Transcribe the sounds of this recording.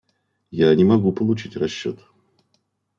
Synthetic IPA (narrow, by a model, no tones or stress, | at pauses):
janʲɪmɐɡupəlˠʊt͡ɕitʲrɐɕːot̪